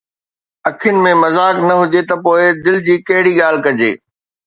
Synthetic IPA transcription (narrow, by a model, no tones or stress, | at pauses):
ɐkʰɪjʊnɪ̆mẽmɐzaːknɐɦʊd͡ʑet̪ɐpoːɪd̪ɪlɪd͡ʑiːkɐɦɪɽiɠaːl̤kɐd͡ʑḛː